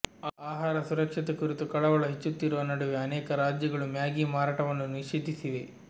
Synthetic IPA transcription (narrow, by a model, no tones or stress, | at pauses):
aːɦaːɾɐsuɾɐkʂit̪ekuɾit̪ukɐɭɐʋɐɭɐɦet͡ʃːut̪ːiɾuʋɐnɐɽuʋeɐnɛːkɐɾaːd͡ʒjɐɡɐɭumjaːɡimaːɾaːʈɐʋɐnːuniʃiːd̪ʱːisiʋe